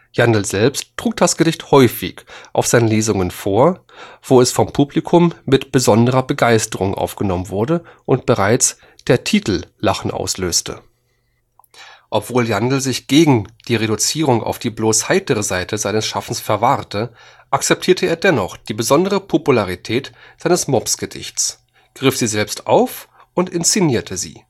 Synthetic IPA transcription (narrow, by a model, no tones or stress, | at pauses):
jandl̩zɛlpstːʁ̥uːk̚d̥asɡ̥ədɪçthɔʏfɪ̰çʔaʊfz̥aɪnənleːzʊŋənfoːɐ | v̥oːɛsfɔmpʰuːblikʰʊmːɪtb̥əzɔndəʁɐbəɡaɪstəʁʊŋʔa̰ʊfɡ̥ənɔmənvʊɐdəʔʊntb̥əʁaɪt͡s | d̥eːɐtʰiːtl̩laχn̩ʔa̰ʊsløːstʰə̰ | ʔɔpv̥oːljandl̩zɪçɡ̥eːɡŋ̩d̥iːʁedut͡siːʁʊŋʔa̰ʊfd̥iːbloːshaɪtəʁəzaɪtəzaɪnəsʃafn̩sfɛɐvaʁtə | ʔak̚t͡sɛp̚tʰiːɐtʰəʔeːɐdɛnɔχd̥iːbəzɔndəʁəpʰopulaʁitʰɛːtz̥aɪnəsmɔpsɡ̥ədɪ̰çtt͡s | ɡ̥ʁɪfz̥iːzɛlpstʔa̰ʊf | ʊntɪnst͡siniːɐtʰəzḭː